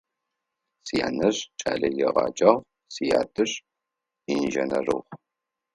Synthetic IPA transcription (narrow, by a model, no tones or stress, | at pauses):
sija̰ːnɐɕt͡ʃʼa̰ːɮɐjɛʁɑ̰ːd͡ʒʼaːʁʷ | sijaːdʰʼɨɕ | inʒɐnɐrɨ̰ʁ